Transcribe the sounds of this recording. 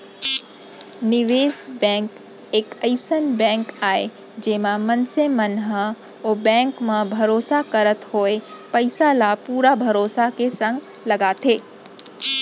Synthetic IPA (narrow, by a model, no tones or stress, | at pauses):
nɪʋeːsbɛ̃ːŋk | eːkəɪsənbɛ̃ːŋkaːe | d͡ʒeːmãmɐnsemənɦə | oːbɛ̃ːŋkmãbʱɐɾoːsakəɾət̪hoːepɐɪsalapuːɾabʱɐɾoːsakesɐ̃ŋɡ | lɐɡat̪ʰeː